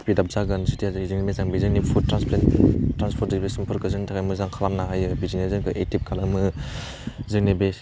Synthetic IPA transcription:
pidap̚zaɡɯnsitijazɯzɯŋnemezaŋbizɯŋnipʰuttːɾansplentːɾanspʰɔɾt̚dibesimpʰɯɾkʰɯzɯŋntʰakajmɯzaŋkʰalamnaɦajɯbizinezɯnkʰɯʔetip̚kʰalɯmɯ | zɯŋnebe

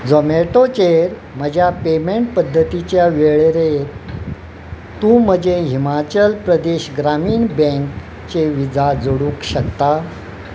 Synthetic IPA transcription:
d͡zomeʈot͡ɕeɾ | m̤əd͡ʑʱjapemeɳʈ̚pəd̪ʱːət̪it͡ɕjaʋeɭeɾe | t̪ũːm̤əd͡ʑeɦimat͡ɕəlpɾəd̪eɕɡɾamiːɳbɛ̃ŋk | t͡ɕeʋid͡zad͡zoɽũːkɕəkt̪a

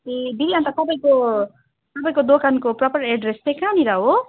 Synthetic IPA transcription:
ib̪iliant̪at̪ʌpaĩko | t̪ʌpaĩkod̪okankoprɔpəɾeɖɾest̪ekãniɾaɦo

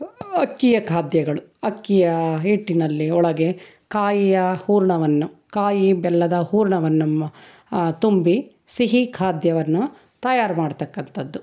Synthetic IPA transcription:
ɐkːijɐkʰaːd̪jɐɡɐɭuɐkːijɐiʈːinɐlːiɔɭɐɡe̞ | kaːjijɐhuːɾɳɐʋɐnːukaːjibɛlːɐd̪ɐhuːɾɳɐʋɐnːum | t̪umbi | siɦikʰaːd̪jɐʋɐnːu | t̪ɐjaːɾmaːɽut̪ɐkːɐnt̪ʰɐd̪ːu

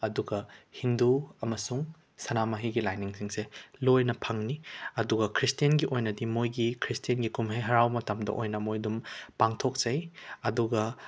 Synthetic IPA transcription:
ɐduɡɐhinduɐmɐsuŋ | sɐnamɐɦiɡilajniŋsiŋselojnɐpʰɐŋniɐduɡɐkʰɾistijɐnɡiʔojnɐdimojɡikʰɾistijenɡikumɦejɦɐɾawmɐtɐmdɐ̰ʔojnɐmojdumpaŋtʰok̚t͡ʃɐjɐduɡɐ

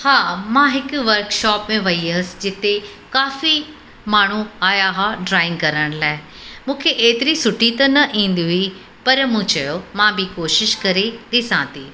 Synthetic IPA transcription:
haːmãːɦɪkʋɐɾkʃɔːpmẽʋɐiɐsd͡ʑɪt̪e | kaːfi | maːɳ̤uaːjaɦaːɖɾaːɪ̃ŋɡkɐɾəɽ̃laːɪ | mũːkʰeʔeːt̪ɪɾisʊʈit̪ɐnɐʔĩːn̆d̪iɦui | pɐɾmũːt͡ɕɐjomãbɪkoːʃɪʃkɐɾed̪ɪsãːt̪iː

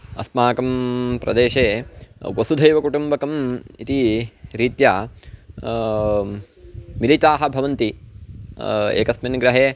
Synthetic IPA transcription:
ɐsmaːkɐmpɾɐ̰d̪eːʃeːʋɐsud̪ʱɐjʋɐkuʈumbɐkɐmit̪iɾiːt̪jaː | milit̪aːɦɐ̆bʱɐʋɐnt̪i | ḛːkɐsmɐnɡɾɐɦeː

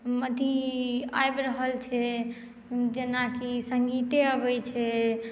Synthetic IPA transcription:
məd̪ʱiaebɾəɦəlt͡ʃʰɛ | d͡ʒenakisəŋɡit̪eəbɛt͡ʃʰɛ

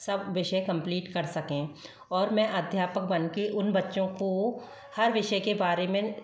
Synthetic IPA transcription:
sɐbʋɪʃəkɐ̃mpliːʈkɐɾsɐkẽ | ɔːɾmɛ̃ʔɐd̪ʱjaːpək̚bɐnkeʔʊnbɐtːʃõko | hɐɾʋɪʃəkebaːɾemẽ

